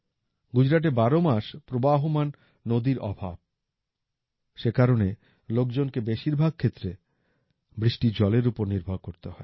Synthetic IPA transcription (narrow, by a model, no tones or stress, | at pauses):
ɡud͡ʑɾaʈ̬ebaɾomaʃpɾobaɦomanː | od̪iɾɔ̰bʱa̰b̚ | ʃekaɾone | lok̚d͡ʑonkebeʃiɾbʱaɡ̚kʰet̪ːɾe | bɾiʃʈid͡ʑɔleɾupoɾniɾbʱaɾkoɾt̪eɦɔe